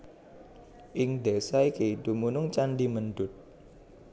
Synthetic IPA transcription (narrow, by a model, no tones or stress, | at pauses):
ʔɪŋd̪ɛsaikeid̪̥ṳmunʊŋt͡ʃanɖimənɖ̪ʊt̪̚